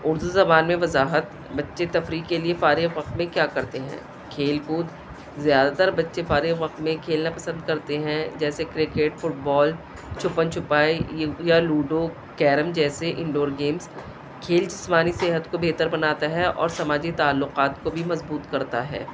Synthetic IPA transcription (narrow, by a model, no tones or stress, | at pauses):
ʊɾd̪uzɐbaːnmẽʋɐzaːɦət̪ | bɐtːʃet̪ɐfɾiːkkeliefaːɾɪɣʋɐq̚t̪mẽkjaːkɐɾt̪eɦɛ̰̃ː | kʰeːlkuːd̪ | zjaːd̪at̪əɾbɐtːʃefaːɾɪɣʋɐq̚t̪mẽkʰeːlnapɐsə̃nd̪kɐɾt̪eɦɛ̃d͡ʒɛːsekɾɪkeʈfʊʈ̚bɔːl | t͡ʃʰʊpənt͡ʃʰʊpaːijaluːɖo | kɛːɾəmd͡ʒɛːseʔɪ̃ɳɖoːɾɡeːmz | kʰeːld͡ʒɪsmaːniseːɦət̪kobʱeːt̪əɾbɐnaːt̪aɦɛʔɔ̰ːɾsɐmaːd͡ʒit̪aːlːʊqaːt̪kobʱimɐzbuːt̪kɐɾt̪aɦɛ̰ː